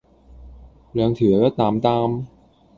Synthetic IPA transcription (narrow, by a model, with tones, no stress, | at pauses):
lɯ˨˩˦ŋt̪ʰɯ˨˩˦ɐkɔː˧˥˩t̪aː˨˩mt̪aː˧m